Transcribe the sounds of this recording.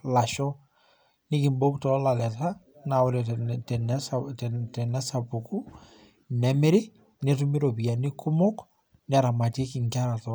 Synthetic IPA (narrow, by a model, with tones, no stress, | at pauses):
la˨ʃɔ˦ | nɪ˦kɪ˨mbo˦ktɔ˨la˨lɛ˨ta˦ | na˨wɔ˨ɾɛtɛnɛsatɛtɛ˨nɛ˦sa˨pu˨ku˦ | nɛ˦mɪ˦ɾɪ˦ | nɛtu˦mɪ˦ɾo˨pi˨ja˨nɪ˦kʰʊ˦mʊ˦k | nɛ˨ɾa˨ma˨te˦kɪ˨ŋka˦ɾa˨tɔ